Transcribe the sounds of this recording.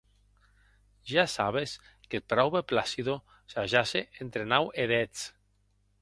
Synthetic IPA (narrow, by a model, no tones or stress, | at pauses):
ʒasaβ̞es | kelpɾawβeplasiðo | saʒaseʔent̪ɾenaweðet͡s